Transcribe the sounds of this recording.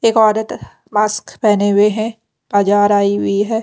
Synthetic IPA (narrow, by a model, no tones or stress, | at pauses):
eːkɔːd̪ət̪ | maːskpɛːneɦʊeɦɛ̃ | pad͡ʒaːɾaːiɦʊiɦɛː